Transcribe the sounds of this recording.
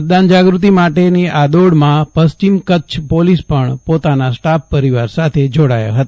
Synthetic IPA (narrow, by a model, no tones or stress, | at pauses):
ɾd̪and͡ʒaɡɾut̪̬imaʈeniad̪oɽmãpəst͡ʃimkət͡ʃʰpolispəɳpot̪anasʈapːəɾiʋaɾsat̪ʰed͡ʒoɽa̰ja̰ɦət̪a